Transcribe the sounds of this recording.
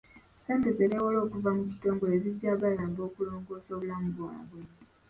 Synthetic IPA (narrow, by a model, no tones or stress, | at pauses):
se̞ːmbezeɾewolo̞ːkuvamucito̞ːŋɡo̞eziɟːaːβalabo̞ːkulo̞ːŋɡo̞ːsoːβulamuβwwa̰βwe